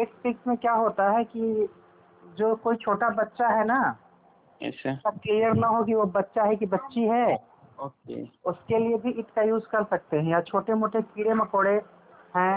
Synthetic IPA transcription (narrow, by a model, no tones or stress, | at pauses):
eːʈpɪksmẽkjaːɦoːt̪aɦɛki | d͡ʒoːkoːit͡ʃʰoːʈabɐtːʃaɦɛna | ɛ̰ssɐb̚klijəɾnaɦokiʋobɐtːʃaɦɛkibɐtːʃiɦɛː | oːkḛʊskeliebʱiʔɪʈkajuːd͡ʒkɐɾsɐk̚t̪eɦɛ̃jat͡ʃʰoːʈemoːʈʰekiːɽemɐkoːɽe | ɦɛ̃ː